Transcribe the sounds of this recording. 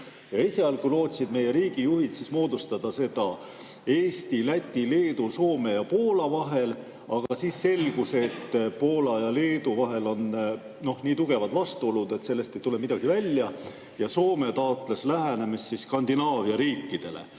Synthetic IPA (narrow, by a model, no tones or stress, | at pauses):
jɑiseɑlkujlo̞ːt̪ʲsid̪me̞je̞ɾiːɡ̥ijuɦit̪sismo̞ːd̪ust̪ɑd̪̥ɑse̞d̪̥ɑ | e̞ːst̪ilæt̪ʲːile̞ːd̪̥uso̞ːme̞jɑpo̞ːlɑvɑɦe̞l | ɑɡ̥ɑsiːsːe̞lɡ̥use̞t̪ːpo̞ːlɑjɑle̞ːd̪uvɑɦe̞lo̞n | no̞hniːt̪uɡ̥e̞vɑd̪vɑst̪uo̞lud̪̥e̞t̪se̞lːe̞st̪e̞jt̪ule̞mid̪ɑɡ̥ivælʲːjɑ | jɑso̞ːme̞t̪ɑot̪ːˑle̞slæɦene̞missiskɑnd̪inɑːviɑɾiːkˑːid̪̥e̞̰lḛ